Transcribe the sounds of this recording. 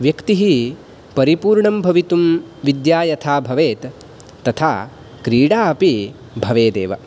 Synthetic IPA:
ʋjɐkt̪iɦi | pɐɾipuːɾɳɐmbʱɐʋit̪umʋid̪jaːjɐt̪ʰaːbʱɐʋeːt̪ː | ɐt̪ʰaː | kɾiːɽaːɐpi | bʱɐʋeːd̪ḛːʋɐ̰

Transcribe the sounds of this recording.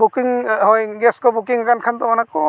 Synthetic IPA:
bukiŋhɔjɡɛskɔbukiŋɡankʰand̪ɔɔnakɔ

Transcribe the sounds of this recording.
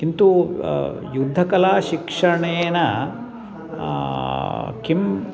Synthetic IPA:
kint̪u | jud̪ʱːɐkɐlaːʃikʂɐɳenɐ | kim

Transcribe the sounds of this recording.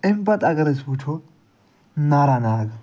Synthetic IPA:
ɛmbɐt̪ʼɐɡɐɾɛsbʊt͡ʃɔ | naɾɐnaːɡɐ

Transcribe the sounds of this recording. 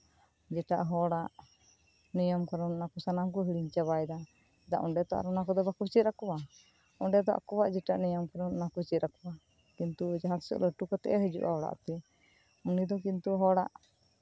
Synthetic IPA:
d͡ʒɛʈa̰ʔɦɔɽaʔ | nijɔmkaɾɔnnakɔsanamkuɦiɽiɲt͡ʃaβajd̪a | ɛd̪a̰ʔɔɖɛt̪ɔa̰ɾɔnakɔd̪ɔbakut͡ʃit̪̚ɾakɔba | ɔɳɖɛt̪ɔʔa̰kɔbaʔd͡ʒɛʈaʔnɔjɔmkaɾɔnnakut͡ʃit̪̚ɾakɔwa | kint̪ud͡ʒaɦat̪sɔ̰ʔləʈukɔt̪ɛʔɛɦəd͡ʒṵʔa̰ɔɽa̰ʔt̪ɛ | unid̪ɔkint̪uɦɔɽaʔ

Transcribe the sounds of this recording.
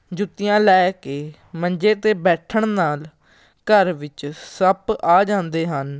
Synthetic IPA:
d͡ʒʊt̪ːɪjãːlɛːkeː | məɲd͡ʒeːt̪eːbɛːʈʰəɳnaːl | kəɾʋɪt͡ʃsəpaːd͡ʒãːnd̪eːɦən

